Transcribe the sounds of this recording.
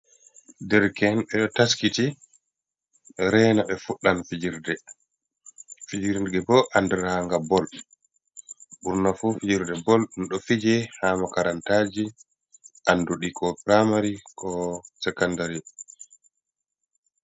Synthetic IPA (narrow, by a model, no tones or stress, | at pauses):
dɛɾkɛnɓɛɗɔtaskiti | ɾɛnaɓɛfuɗːanfid͡ʒiɾdɛ | fid͡ʒiɾɡɛbɔʔandɛɾhaŋɡabɔl | ɓuɾnafufid͡ʒiɾdɛbɔlɗunɗɔfid͡ʒɛhaːmakaɾantad͡ʒi | ʔanduɗikɔpɾamaɾikʰɔsɛkandaɾi